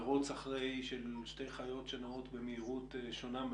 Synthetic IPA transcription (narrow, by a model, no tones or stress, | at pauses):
ʁut͡saχʁejʃelʃte̞jχajo̞tʃenaot̪bemeiʁuteʃo̞nam